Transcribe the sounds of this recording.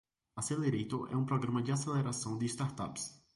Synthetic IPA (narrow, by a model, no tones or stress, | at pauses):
aseleɾejt̪ʊʔɛ̰ũpɾoɡɾɐ̃mɐd͡ʒɪaseleɾasɐ̃w̃d̪ɪst̪aɾt̪a̰ps